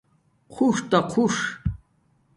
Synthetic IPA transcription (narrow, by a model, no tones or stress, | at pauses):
qʰuʂt̪aqʰuʂ